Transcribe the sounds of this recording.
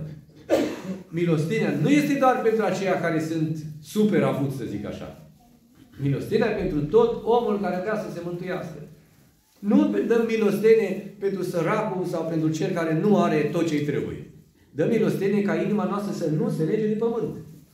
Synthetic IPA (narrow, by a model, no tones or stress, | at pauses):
mino̞st̪eneanuje̞st̪e̞d̪oarpe̞nt̪ɾuat͡ʃe̞jakaɾe̞sɨnt̪supe̞ɾavut̪səzika̰ʃa̰ | mino̞̰st̪eneape̞nt̪ɾut̪o̞t̪o̞mulkaɾeavɾeasəse̞mɨnt̪uja̰skə | nud̪əmːino̞st̪e̞ne̞pe̞nt̪ɾusəɾakulsawpe̞nt̪ɾut͡ʃe̞lkaɾe̞nuaɾe̞t̪o̞t̪̚t͡ʃejt̪ɾḛbṵjḛ | d̪əmːino̞st̪enekainimanoast̪ɾəsənuseled͡ʒed̪epəmɨnt̪